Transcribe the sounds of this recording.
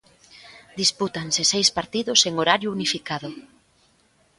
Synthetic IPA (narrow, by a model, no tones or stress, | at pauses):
d̪isput̪aŋsɪsejspaɾt̪iðʊseŋoɾaɾjʊunifikaðʊ